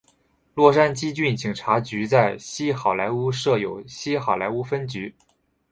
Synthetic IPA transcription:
lwɔ˥˩ʂa˥nt͡ɕi˥t͡ɕy˥˩nt͡ɕi˨˩ŋʈ͡ʂʰa˧˥t͡ɕy˧˥t͡sa˥˩ɪɕi˥xɑ˨˩ʊla˧˥ɪu˥ʂɤ˥˩jo˨˩ʊɕi˥xɑ˨˩la˧˥ɪu˥fə˥nt͡ɕy˧˥

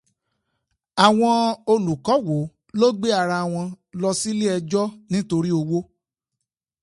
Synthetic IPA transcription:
a˨w̃ɔ̃˧o˧lu˨kɔ˨˦wo˨˦ | lo˦ɡ͡be˦a˨˧˨ɾa˧˨w̃ɔ̃˧ | lɔ˧si˦le˦ɛ˧d͡ʒɔ˦nĩ˦to˧ɾi˦o˧wo˦

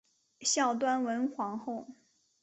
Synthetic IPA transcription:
ɕjɑ˥˩ʊt̪̬wa˥nwə˧˥nxwɑ˧˥ŋxo˥˩ʊ

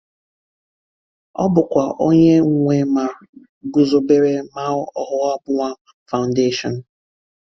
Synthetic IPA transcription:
ɔ̰˦bʊ˨kʷa˨o˦ɲe˦ŋ̩˨ŋʷe˨ma˨ | ɡʊ˨zo˨be˦ɾe˦ma˦ʊ˦ɔ˦ɦʊ˦ɔ˦bʊ˦ŋʷa˦ | fa˨ʊ˨nde˦ʃɔ˨n̩˨

